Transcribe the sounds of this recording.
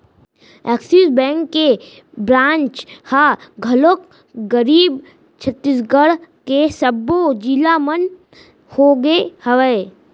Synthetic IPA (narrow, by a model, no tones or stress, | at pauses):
ɛːksisbɛ̃ːŋkːe | bɾãːnt͡ʃhaɡʱəlok | ɡəɾiːb | t͡ʃʰət̪ːisɡəɽkesəbːod͡ʒilamən | hoːɡehəʋə